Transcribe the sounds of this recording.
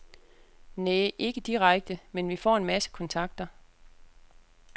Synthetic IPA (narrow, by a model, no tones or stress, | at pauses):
neːʔe̝ɡ̥əd̥iʁɑɡ̥̚d̥əmenʋifɒ̰ːe̝nmæsə̥kʰɒ̽nt͡sʰɑ̈ɡ̥̚d̥ɐ